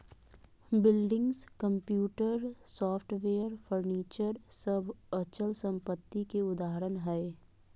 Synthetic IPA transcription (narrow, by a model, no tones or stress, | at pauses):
bɪlɖɪ̃ŋɡzkə̃mpjuːʈəɾsɔːpʰʈʋeːəɾpʰəɾniːt͡ʃəɾsəbʱət͡ʃəlsə̃mpət̪ːikeʊd̪aːɦəɾənɦɛ